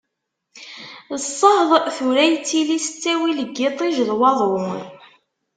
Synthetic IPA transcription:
ðəsˤːəhðˤθuɾæjt͡sːilisə̥t͡sːæwiləɡːɪt̪ˤiʒðˤwɑðˤɾʊn

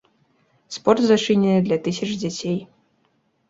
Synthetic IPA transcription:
spɔrt̪zat͡ʂɨnʲɛnɨd̪lʲɐt̪ɨsʲɐt͡ʂd͡zʲat͡sʲej

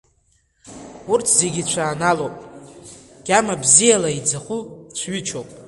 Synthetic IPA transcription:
urtʰze̞ɡʲit͡ɕʷʰaːnalowpʼ | ɡ̥ʲamabzijalaid͡zaχʷut͡ʃʷʰɥit͡ʃʰowpʼ

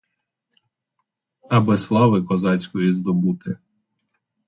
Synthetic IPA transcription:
ɐbɪslˠɑʋɪkɔzɑt͡sʲkɔjizd̪ɔbut̪ʰɪ

